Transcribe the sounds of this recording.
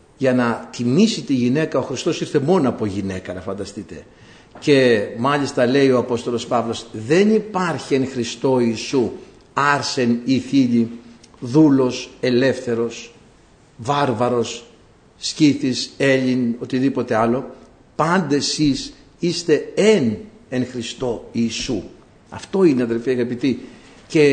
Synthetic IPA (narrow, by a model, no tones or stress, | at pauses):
ʝɐnɐt̪imisit̪iʝine̞kɐo̞xɾist̪o̞siɾθe̞mo̞noɐpo̞ʝine̞kɐnɐfɐnd̪ɐst̪it̪e̞ | ce̞mɐʎist̪ɐle̞io̞ɐpo̞st̪o̞lo̞spɐvlo̞sðe̞nipɐɾçienxɾist̪o̞iːsu | ɐɾse̞niθiʎiðulo̞se̞le̞fθe̞ɾo̞s | vɐɾvɐɾo̞sː | ciθise̞ʎino̞t̪iðipo̞t̪e̞ɐlo̞ | pɐnd̪e̞sis | ist̪e̞eneŋxɾist̪o̞iːsu | ɐ̰ft̪o̞ineɐðe̞lfiɐɣɐpit̪i | ce̞